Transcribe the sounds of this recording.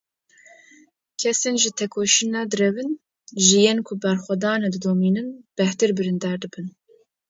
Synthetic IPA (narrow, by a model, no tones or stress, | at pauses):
kʰɛseːnʒɨt̪ʰɛkʰoːʃɨnɛd̪ɨɾɛvɨn | ʒɨjeːnkʰʊbɛɾxʷɛd̪ɑːned̪ɨd̪oːmiːnɨnb̥ɛht̪ɨɾbɨɾɨnd̪ɑːɾd̪ɨbɨn